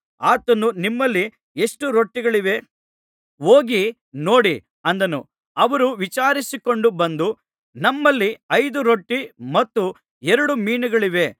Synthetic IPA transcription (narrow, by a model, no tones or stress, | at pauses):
aːt̪ɐnːunimːɐlːi | eʂʈuɾo̞ʈːiɡɐɭiʋe̞ | oːɡi | no̞ːɽi | ɐnd̪ɐnṵ | ɐʋɐɾuʋit͡ʃaːɾisiko̞ɳɖubɐnd̪u | nɐmːɐlːiɐjd̪uɾoʈːimɐt̪ːu | ɛɾɐɽumiːnuɡɐɭiʋe̞